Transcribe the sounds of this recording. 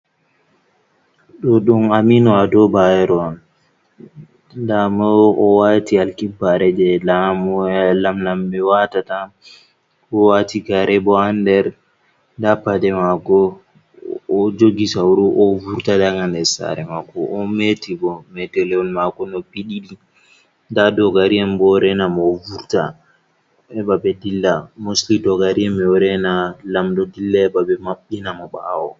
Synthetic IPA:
ɗɔɗunaminɔadɔbajɛɾɔn | damɔɔwatialkibːaɾɛd͡ʒɛlamɔlamnambɛwatata | kɔwatiɡaɾɛbɔandɛɾ | dapːadɛmakɔ | d͡ʒoɡisawɾuʔɔvuɾtadaŋandɛɾsa̰ɾɛmakɔʔːmetibɔmɛtɛlɛɔnmakɔnɔpiɗiɗi | ndadɔɡaɾiambɔɾɛnamɔvuɾta̰ | ɛbabɛdilːamoslidɔɡaɾiɛmɛɔɾɛnalamdɔdilːaɛbabɛmaɓːinamɔɓa̰wɔ

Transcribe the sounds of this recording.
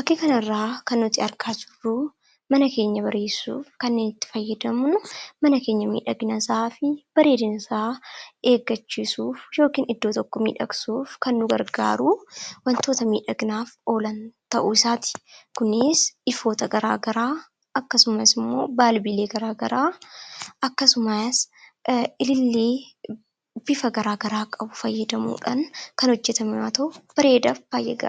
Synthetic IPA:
bɐkːeːkɐnɐrːaːkɐnːʊt̪ːɪɐɾkaːtʊrːuː | mɐnɐke̞ːɲːɐbɐɾe̞ːsːṵːfkɐnːe̞ːnɪt̪ːɪ̥fɐjːɐd̪ɐmnʊmɐnɐke̞ːɲːɐmḭːᶑɐɡnɐsaːfɪb̥ɐɾe̞ːd̪ɪnɪsaːe̞ːɡːɐt͡ʃːiːsuːfjo̞ːkiːnɪd̪ːo̞ːt̪ɔkːɔmḭːᶑɐ̰ksuːfkɐnːʊɡɐ̰ɾɡa̰ːɾuːwɐnt̪o̞ːt̪ɐmḭːᶑɐɡnaːfo̞ːlɐnt̪ɐʔuːɪsaːt̪ɪ̥kʊnːɪsɪfo̞ːt̪ɐɡɐɾa̰ːɡɐɾaː | ɐkːɐsʊmɐsɪmːo̞̰ːbaːlbile̞ːɡɐɾaːɡɐɾaː | ɐkːɐsʊmɐs | ɪlɪlːiː | b̥ɪfɐɡɐɾaːɡɐɾaːkʼɐbʊfɐjːɐd̪ɐmṵːᶑɐnkɐnhɔd͡ʒːɛt̪ɐmɪwaːt̪ɐʊb̥ɐɾe̞ːd̪afb̥aːjːɛ̰ɡɐ̰

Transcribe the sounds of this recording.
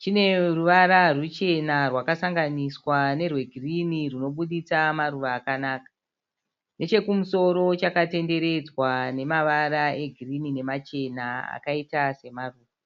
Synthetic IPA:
t͡ʃine̞ruʋaɾarut͡ʃe̞narwakasaŋɡaniswane̞rwe̞ɡʱiriniruno̞ɓuɗit͡samaruʋaːkanaːkḁ | ne̞t͡ʃe̞kumuso̞ɾo̞t͡ʃakate̞nde̞ɾe̞d͡zwane̞maʋaɾae̞ɡʱirinine̞mat͡ʃe̞naa̰kaitase̞maruːʋa

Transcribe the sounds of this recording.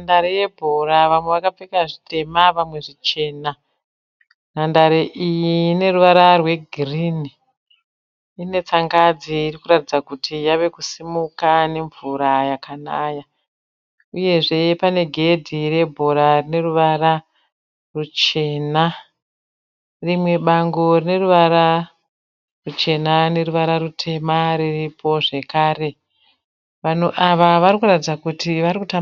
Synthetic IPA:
nandaɾejebʱoɾaʋamwe̞ʋakap͡fekaʐitʰe̞maʋamwe̞ʐit͡ʃe̞ːna | nandaɾeʔijiːne̞ruʋaɾarwe̞ɡʱirini | ine̞t͡saŋɡad͡ziːrikuɾatid͡zakutʰijaʋe̞kusimukane̞ɱvuɾajakʰanaːja | uje̞ʐe̞pane̞ɡʱe̞dʱire̞bʱo̞ɾarine̞ruʋara | rut͡ʃe̞ːna | rimwe̞ɓaŋɡo̞rine̞ruʋaɾa | rut͡ʃe̞nane̞ɾuʋaɾarutʰe̞mariripʰo̞ʐe̞kaːre̞ | ʋan̤uʔaʋaʋarikuratid͡zakutiʋarikuta

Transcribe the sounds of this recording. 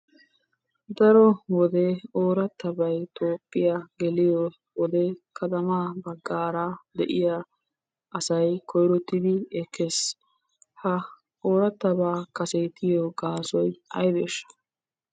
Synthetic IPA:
d̪ɐɾɔwɔd̪ɛoːɾɐt̪ːɐbɐjt̪oːpʼːɪjaɡɛlɪjɔ | wɔd̪ɛkʰɐt̪ɐmaːbɐɡːaːɾaːd̪ɛʔɪjɐ | ʔɐsɐjkʰɔjɾɔt̪ːɪd̪ɪɛkʰːɛs | hɐ | oːɾɐt̪ːɐbaːkɐset̪ɪjɔɡaːsɔjɐ̰jdeːʃːɐ̥

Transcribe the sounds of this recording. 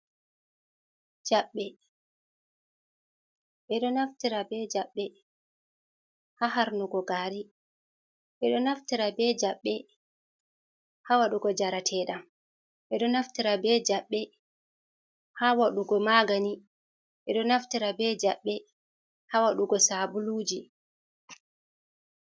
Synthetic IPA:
d͡ʒaɓːɛ | ɓɛɗɔnaftiɾabɛd͡ʒaɓːɛ | haɦaɾnuɡɔɡaːɾi | ɓɛɗɔnaftiɾabɛd͡ʒaɓːɛ | hawaɗuɡɔd͡ʒaɾatʰɛːɗam | ɓɛɗɔnaftiɾabɛd͡ʒaɓːɛ | haːwaɗuɡɔmaɡani | ɓɛɗɔnaftiɾabɛd͡ʒaɓːɛ | hawaɗuɡɔsabuluːd͡ʒi

